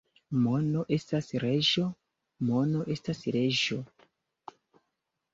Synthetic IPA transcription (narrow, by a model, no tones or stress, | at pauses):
mo̞no̞ʔe̞stasɾeʒo̞ | mo̞no̞ʔe̞stasɾe̞ʒo̞